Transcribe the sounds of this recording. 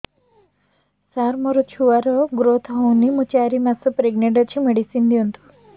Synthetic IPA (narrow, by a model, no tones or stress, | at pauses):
saɾmɔɾɔt͡ʃʰuʋaɾɔɡɾot̪ʰɔɦownimut͡ʃaːɾimasɔpɾeɡneɖɔt͡ʃʰimeɽisind̪iɔnt̪ʰu̥